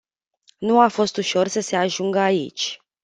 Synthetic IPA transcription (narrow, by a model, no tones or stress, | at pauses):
nuafo̞st̪uʃo̞rsəse̞aʒuŋɡəaḭt͡ʃʲ